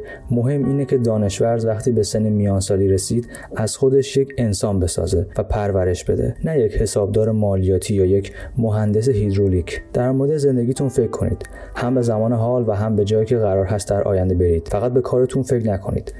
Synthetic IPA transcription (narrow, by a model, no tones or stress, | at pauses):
mo̞ɦe̞mʔiːnecʰe̞d̪ɒːne̞ʃvæɾzvæxt̪ʰiːbe̞senːemijɒːnsɒːliːɾe̞siːd̪̥ | ʔæz̥xo̞d̪e̞ʃjecʰe̞nsɒːnbe̞sɒ̰ːze̞væpʰæɾvæɾe̞ʃbe̞̰d̪ḛnæjecʰhe̞sɒːb̚d̪ɒːɾe̞mɒːlijɒːt̪ʰiːjɒːjecʰmo̞ɦænd̪e̞s̬e̞ɦid̪ɾolicʰd̪̥æɾmo̞ɾed̪eze̞nd̪e̞ɡiːt̪ʰunfe̞cʰːo̞nḭːd̪̥ | hæmbe̞zæmɒːneɦɒːlvæɦæmbe̞d͡ʒɒːjiːcʰe̞ɣæɾɒːɾɦæst̪̚d̪æɾʔɒ̰ːjænd̪e̞be̞ɾiːd̪̥fæɣæt̪̚be̞kʰɒːɾet̪ʰunfecnækʰo̞̰nḭːd̪̥